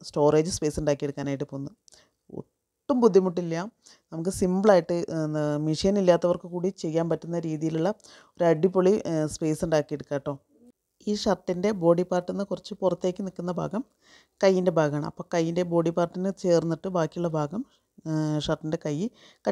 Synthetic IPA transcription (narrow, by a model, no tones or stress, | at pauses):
sto̞ːre̞ːd͡ʑɨspe̞ːsuɳɖaːkːijeɽukːaːnaːjiʈːɨpoːunːɐ | o̰ | ʈːumbud̪ʱːjimuʈːilːjɐ | nɐmuk̬ːɨsimbɭaːjiʈːɨnmiʂijɐnilːaːt̪ːɐʋɐrkɨkuːɽit͡ɕe̞jːaːnpɐtːunːɐɾiːðijiluɭːɐ | o̞ɾuɐɖːipːoɭispe̞ːsuɳɖaːkːijeɽukːaːjʈːo̞ː | iːʂɐrʈːinde̞bo̞ːɽipːaːrʈːenːɨkurɐt͡ɕːɨpurɐt̪ːe̞ːkʲːɨnikːunːɐbʱa̰ːɡɐm | kɐjːinde̞bʱaːɡɐaːɳɐ̰mɐ̰pːo̞ːkɐjːinde̞bo̞ːɽipaːrʈːinɨt͡ɕe̞ːrnːiʈːɨbaːkːijuɭːɐbʱaːɡɐm | ʂɐrʈːinde̞kɐjːɨ | kɐ